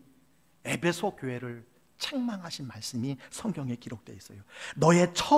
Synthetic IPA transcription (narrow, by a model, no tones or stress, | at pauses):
e̞bʰe̞sʰokjoɦe̞ɾɯɭ | t͡ɕʰeŋmaŋɦaɕʰinmaɭs͈ɯmisʰʌŋɡjʌŋe̞kiɾok̚t͈we̞̰is͈ʌjonʌe̞t͡ɕʰʌ